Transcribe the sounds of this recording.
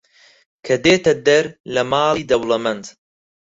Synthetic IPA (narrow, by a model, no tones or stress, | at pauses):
kʰɐd̪eːt̪ɐd̪ɐɾlɐmaːlˠiːd̪ɐwlɐmɐnd̪